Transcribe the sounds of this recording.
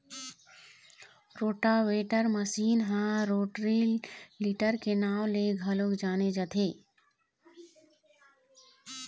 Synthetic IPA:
ɾoːʈaweːʈəɾməsiːnɦãɾoːʈɾiliʈəɾkenaːwleɡʱɐlokd͡ʒaːned͡ʒət̪ʰeː

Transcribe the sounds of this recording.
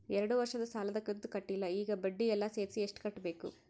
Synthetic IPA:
ɛɾɐɽuʋɐɾʂɐd̪ɐsaːlɐd̪ɐkːɐnt̪ukɐʈːilːɐiːɡɐbɐɖːijɛlːɐseːɾsieʂʈu̥kɐʈːɐbe̞ːkṵ

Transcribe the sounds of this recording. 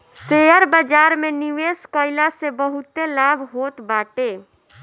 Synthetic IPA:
seəɾbəd͡ʒaːɾmẽniʋeːskəɪlasebəɦʊt̪elaːbʱɦoːt̪baːʈeː

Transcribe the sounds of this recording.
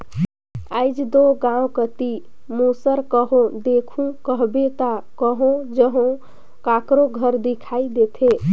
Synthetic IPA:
ajd͡ʒd̪oɡãõkət̪i | musəɾkəɦõd̪ekʰũkəɦbet̪akəɦõd͡ʒəɦõ | kakɾoɡʱəɾd̪ikʰaid̪et̪ʰe

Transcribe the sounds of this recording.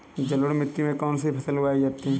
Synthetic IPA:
d͡ʒɐləɽmɪt̪ːimẽkɔːnseipʰɐsəlʋaːid͡ʒat̪i

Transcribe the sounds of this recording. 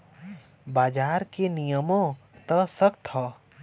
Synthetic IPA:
baːd͡ʒaːɾkenijəmõ | t̪əsəkt̪ʰɔː

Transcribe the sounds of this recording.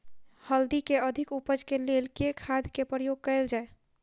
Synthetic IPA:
həld̪ikeəd̪ʱikupəd͡ʒkelelkekʰːad̪ʱkepɾəjoɡ̚kəɪld͡ʒae

